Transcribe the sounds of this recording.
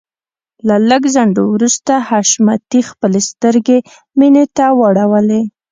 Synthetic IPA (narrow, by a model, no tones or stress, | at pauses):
laləɡzaɳɖowɾust̪ahaʃmat̪ixpəlest̪əɾɡe | minet̪awaɽawəle